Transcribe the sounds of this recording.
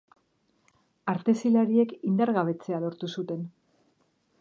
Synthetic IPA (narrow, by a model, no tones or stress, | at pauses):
aɾt̪e̞silaɾie̞kind̪aɾɣaβ̞e̞t͡se̞alo̞ɾt̪usut̪e̞n